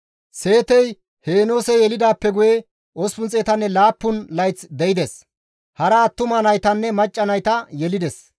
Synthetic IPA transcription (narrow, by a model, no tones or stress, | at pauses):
se̞ːt̪ɛj | heːno̞ːsɛjɛlɪd̪aːpːɛɡʊjɛ | ʔospʊnt͡sʼeːt̪ɐnːɛlaːpːʊnlɐjt͡sd̪ɛɪd̪ɛs | hɐɾɐːt̪ːʊmɐnɐjt̪ɐnːɛmɐt͡ʃʼːɐnɐjt̪ɐjɛlɪd̪ɛs